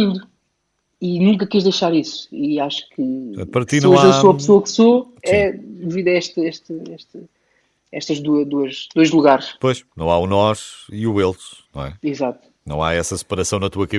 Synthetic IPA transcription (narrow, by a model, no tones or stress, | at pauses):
ĩd̪u | inũŋk̬ɐkeʒðejʃaɾisu̥iaʃu̥kʰɨɐ̰̃pɐɾɐinɐow̃esoɐpsoɐkso | ɛd̪ɨviðɐɛʃt̪ɨeʃt̪ɨeʃt̪ɨ | ɛʃt̪ɐʒd̪uɐd̪uɐʃd̪ojʒlˠuɣaɾʃpojʃnɐ̃w̃aunɔʃiuelˠt̪nɐ̰̃w̃ɛizat̪u̥nɐ̰̃w̃a̰ɛsɐsɨ̥pɐɾɐsɐ̃w̃nɐt̪uɐkɐ